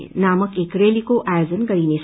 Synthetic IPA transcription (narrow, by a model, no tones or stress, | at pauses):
naːməkeːkɾelikoʔʔajoːzənɡəɾines